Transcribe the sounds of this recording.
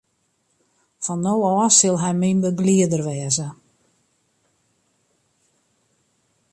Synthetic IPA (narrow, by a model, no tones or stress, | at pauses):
fɔnːowɔːsɪlˠɦɛjminbəbliədərʋɛːzə